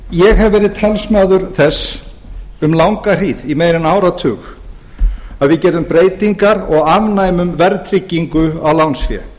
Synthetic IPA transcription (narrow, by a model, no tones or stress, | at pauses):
jɛɣɦɛvvːɛːɾɪðt̪ʰalsmaːðʏɾθɛs | ʏmlawŋkar̥iːðimeːjɾɪnaːwɾat̪ʰʏːx | aðvɪðcɛːɾðʏmpɾeːjt̪iŋkaɾɔɣavnaːjmʏmvɛɾt̪ʰɾicːiŋkʏa̰wlawnsfjɛ̰